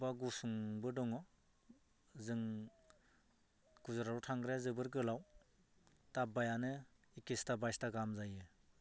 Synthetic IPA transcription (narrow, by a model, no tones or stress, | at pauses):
baɡusuŋbɯdɔŋɔ | zɯŋ | kuzaɾaɾutʰaŋɡɾeazɯbɯɾɡɯlaw | tabajanɯ | ikistabajstaɡamzajɯ